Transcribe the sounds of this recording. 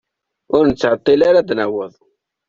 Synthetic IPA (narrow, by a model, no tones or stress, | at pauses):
ʊɾnət͡sːʕət̪ˤːilaɾad̪næwəðˤ